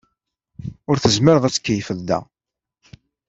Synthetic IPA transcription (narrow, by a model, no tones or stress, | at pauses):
ʊɾθəzmɪɾəðˤæt͡sːkːəjfəðːæ̰